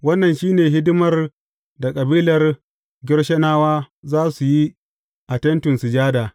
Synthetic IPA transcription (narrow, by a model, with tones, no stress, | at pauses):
wɐ˦nːɐ˨nʃiː˦neː˨ɦɪ˦dʊ˦mɐ˨r | da˨kʼɐ˨biː˦lɐ˨r | ɡʲɪ˦rʃɐ˦naː˦waː˦ | zaː˦su˨ji˦ | ʔa˨tɛ˦ntʊ˨nsu˨d͡ʒaː˦daː˨